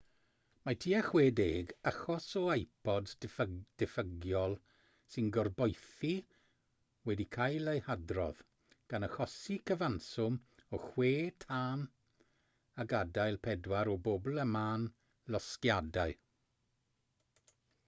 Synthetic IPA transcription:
matʰiːaχweːdeːɡaχɔsɔajpʰɔdd̥ɛfəɡjɔlˠ | sɪnɡɔrbɔjθi | wɛdikʰajlejhadrɔ̰ð̥ | ɡ̥anəχɔsikʰəvansʊmɔχweːtʰaːn | aɡadajlˠpʰɛdwaɾɔbobl̩ˠəmaːn | lɔskjadaɨ

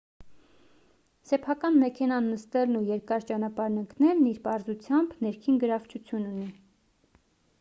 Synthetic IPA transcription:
sɛpʰɑkɑnmɛkʰɛnɑnːəst̪ɛlnujɛɾkɑɾt͡ʃɑnɑpɑɾnəŋknɛlniɾpɑɾzut͡sʰjɑmbnɛɾkʰinɡəɾɑvt͡ʃʰut͡sʰjununi

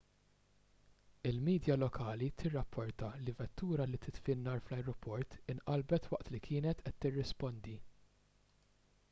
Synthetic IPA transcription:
ɪlmiːd̪jɐlɔkʰɐːlit̪ʰɪrːɐpʰːɔɾt̪ɐlivɛt̪ːuːɾɐlit̪ɪt̪fɪnːɐɾflɐjɾɔpʰɔɾt̪ɪnʔɐlbɛt̪wɐʔt̪likʰɪːnɛt̪ɛt̪ːɪrːɪspɔnd̪i

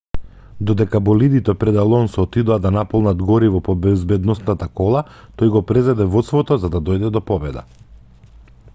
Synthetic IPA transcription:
d̪ɔd̪ɛkabɔlid̪it̪ɛpɾɛd̪alˠɔnsɔt̪id̪ɔad̪anapɔlˠnad̪ɡɔɾivɔpɔbɛzbɛd̪nɔsnat̪akɔlˠat̪ojɡɔpɾɛzad̪ɛvɔt̪st̪vɔt̪ɔzad̪ad̪ɔjd̪ɛd̪ɔpɔbɛd̪a̰

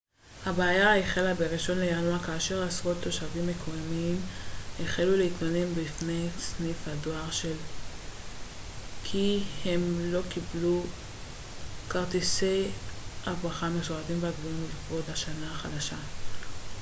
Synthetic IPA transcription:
habeajaeχelabeʁiʃo̞nlejaluakaːʃe̞ʁasʁo̞t̪ːo̞ʃavimːekʰojamimeχeluleitmanembifnejsnifhadoaʁʃe̞l | kʰihemlo̞kiblu | kaʁt̪ise̞jʔaaχameʃoʁatimveaɡvuimlifʁo̞daʃanaaχadaʃa

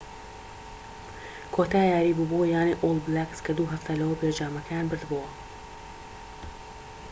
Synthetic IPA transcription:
kʰoːt̪aːjaːɾiːbubowjaːneʔolˠblakskʰɐd̪uːɦɐft̪ʰalɐwɐped͡ʒaːmɐkʰɐjaːnbɨɾd̪bowɐ

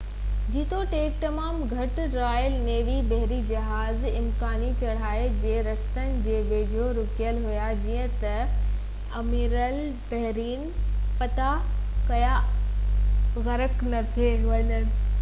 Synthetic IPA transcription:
d͡ʑiːt̪ʰoʈeːk̚ʈ̪ɐmaːmɡʱɐʈ | ɾaːjəlneːʋibɐɦɾid͡ʑɐɦaːz | ɪmkaːnit͡ɕɐɽ̤aːed͡ʑeːɾɐst̪ənɪ̆d͡ʑeːʋeːd͡ʑʱoɾʊkijəlɦujad͡ʑiːə̃t̪ɐ | ɐmiːɾəl | bɐɦɾiːnpɐt̪akɐja | ɣɐɾəknɐt̪ʰeɦʋɐɲəɽ̆

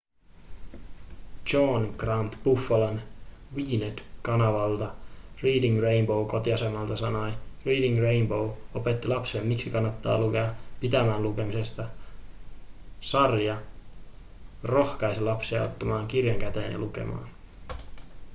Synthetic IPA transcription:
t͡ʃoːnɡ̥rɑnt̪b̥ufːɑlɑnʋiːned̥kɑnɑʋɑlt̪ɑriːdiŋrejnbo̞wko̞t̪iɑse̞mːɑlt̪ɑsɑnojriːdiŋre̞jnbowo̞pe̞t̪ːilɑpsiemmiksikɑnːɑt̪ːɑ̰ːlukeɑpit̪æmæːnluke̞mise̞st̪ɑ | sɑrjɑ | ro̞hkɑjsilɑpsiɑ̰o̰t̪ːɑmɑːŋkirjɑŋkæt̪ḛːnjɑ̰luke̞̰mɑ̰ːn

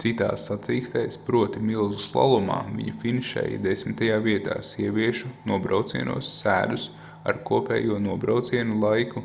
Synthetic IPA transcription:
t̪sit̪a̰ːsːat̪siːkst̪ɛjspɾuɔt̪imilˠzuslˠa̰lˠuma̰ːvḭɲufiniʃɛ̰jd̪esmɪt̪ajaːviɛt̪a̰ːsiɛʋʲiɛʃunuɔbɾawt̪sḭɛnṵɔsːæ̰ːd̪us | a̰ɾkuɔpɛ̰ːjuɔnuɔbɾawt̪siɛnulˠajku

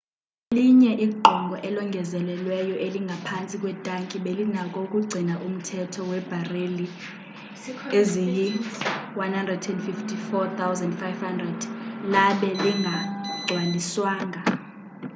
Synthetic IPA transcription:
liɲɛʔiɡ͡ǃʱɔŋɡʱɔʔɛlɔŋɡʱɛzɛlɛlwɛjɔʔeliŋɡʱapʰant͡sʼikʼwɛtʼaŋkʼiɓelinakʼokʼuɡ͡ǀʱinaʔum̩tʰɛtʰɔwɛb̥ʱareli | ezijiwanhandrɛdɛndfiftʰʼifɔt̪ʰawzɛndfajvhandrɛd̥laɓɛliŋɡʱaɡ͡ǀʱwaliswaːŋʱa

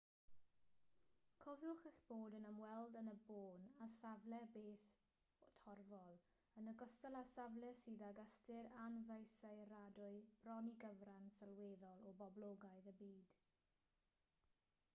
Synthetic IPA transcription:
kʰɔvjʊχəɬb̥oːdənəmwɛlˠdənəboːnasavlɛbeːθ | ɔtʰɔrvɔlˠ | ənəɡɔstəlˠasavlˠɛsiːðaɡəstɪɾanvejsaɨradʊɨb̥rɔniɡəvransalˠweːðɔlˠɔbɔblˠoɡaɨðəbiːd̥

